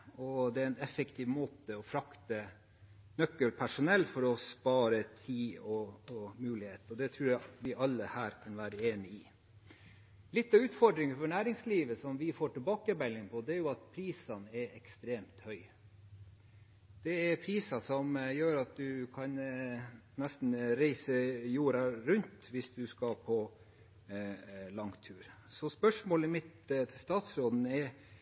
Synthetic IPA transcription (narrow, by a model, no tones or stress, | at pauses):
ɔd̪ɛæɾɛnɛfəkt̪ʰiʋmoːt̪əɔfɾɑkt̪ə | nœkːəlpʰæʂʊnɛlːfɔɾɔspɑːɾət̪ʰiːɔmʉːlɪheːt̪ɔd̪ɛt̪ʰɾʉːɾjæʋɪʔɑlːəhæːɾkʰɑnʋæːɾəeːnɪɪ | lɪt̪ːɑʉːt̪fɔɖɾɪŋəfɔɳæːɾɪŋsliːʋəsɔmʋɪfoːʈɪlbɑːkəbɛlːɪŋpʰɔd̪ɛæɾjʊɑt̪pʰɾiːsɑnəɛɾʔɛkst̪ɾeːmt̪hœʏ | d̪̥ɛɛɾpʰɾiːsɑsɔmjøːɾɑt̪̚d̪ʉkʰɑn | nɛst̪n̩ɾæɪsəjuːɾɑɾʉnt̪ʋɪsd̪ʉskɑpʰɔ | lɑŋt̪ʰʉːɾ | sɔspœʂmoːləmɪt̪t̪ʰɪst̪ɑːt̪sɾoːd̪n̩ɛɾ